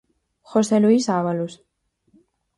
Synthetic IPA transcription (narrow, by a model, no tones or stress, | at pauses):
xoseluisaβalus